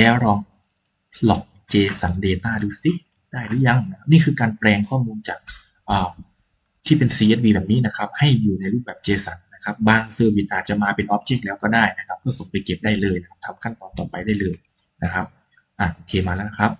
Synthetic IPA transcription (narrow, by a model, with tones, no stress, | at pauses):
lɛː˦˥wɾɔː˧ŋ | lɔ˨˩k̚t͡ɕeː˧sa˩˦ndeː˧t̪aː˥˩duː˧si˧˩ | d̥aː˥˩jdɯː˨˦˥ja˧ŋna˦˥kʰa˦˥p̚niː˥˩kʰɯː˧kaː˧nplɛː˧ŋkʰɔː˥˩muː˧nt͡ɕaː˨˩k̚ | ʔɤː˨˩ | t̪ʰiː˥˩pe˧nsiː˧ʔe˦˥t̪̚wiː˧bɛː˨˩p̚niː˦˥na˦˥kʰa˦˥p̚ha˥˩jːuː˨˩na˧jɾu˥˩p̚bɛː˨˩p̚t͡ɕeː˧sa˩˦nːa˦˥kʰa˦˥p̚baː˧ŋsɤː˧wi˨˩t̪̚ʔaː˨˩t̪̚t͡ɕa˨˩maː˧pe˧nʔɔː˦˥p̚t͡ɕeː˦˥˩k̚lɛː˦˥wkɔː˥˩daː˥˩jna˦˥kʰa˦˥p̚kɔː˥˩so˨˩˦ŋpa˧jke˨˩p̚daː˥˩jlɤː˧jna˥kʰa˦˥p̚t̪ʰa˧mkʰa˥˩nt̪ɔː˨˩nt̪ɔː˨˩pa˧jdaː˥˩jlɤː˧j | na˦˥kʰa˦˥p̚ | ʔaː˨˩ʔoː˧kʰeː˧maː˧lɛ˦˥na˦˥kʰa˦˥p̚